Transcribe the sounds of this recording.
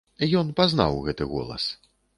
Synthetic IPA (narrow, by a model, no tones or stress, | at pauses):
ijɔnpazna̰wɣɛt̪ɨɣɔ̰lˠɐ̰s